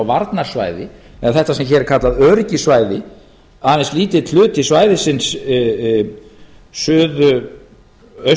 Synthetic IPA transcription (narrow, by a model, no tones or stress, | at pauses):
wvaɾt̪naɾ̥sva̰ːjðɪɛðaθɛht̪asɛmçɛɾɪɾ̥kʰat̪laðœːɾcɪsvaːjðɪ | aːnɛnsliːt̪ɪðt̪ʰl̥ʏːt̪ɪsvaːjðɪsɪns | sʏːðʏ | œ